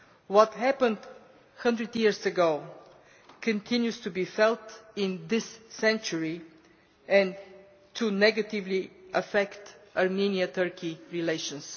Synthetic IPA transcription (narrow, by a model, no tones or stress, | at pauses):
wɔt̪hæpə̃nd̪ | hʌ̃ndɹɨd̪jiəɹsəɡoʊ | kʰɨ̃nt̪ʰɪ̃njust̪ubifɛlˠt̪ɪ̃nd̪ɪsːɛ̃nt͡ʃəɹi | ɛ̃n | tʰunɛɡət̪ɪvliʔəfɛkt̪aɹmĩniət̪ʰɜɹkʰiɹileɪʃə̃ns